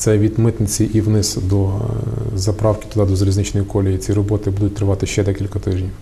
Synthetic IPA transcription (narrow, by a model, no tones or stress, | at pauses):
t̪sɛʋʲid̪mɪt̪nɪt͡sʲiʔiʋnɪsd̪ɔ | zɐpɾɑwkʲɪ̥t̪ʊd̪ɑd̪ɔzɐɾʲiznɪt͡ʃnɔjikɔlʲɪjit͡sʲiɾɔbɔt̪ɪbud̪ʊt̚ʲt̪ɾɪʋɑt̪ɪʃt͡ʃɛd̪ɛkʲilʲkɐt̪ɪʒnʲ